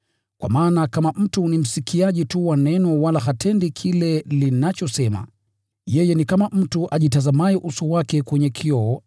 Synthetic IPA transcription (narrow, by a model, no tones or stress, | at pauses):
kwa̰maːnakamam̩tunim̩sikʰiaʄituwanɛnɔwalahatʰɛndikʰilɛlinat͡ʃɔsɛma̰ | jɛjɛnikamam̩tuʔaʄitazamaɛʔusuwakɛkwɛɲɛkʰiɔɔ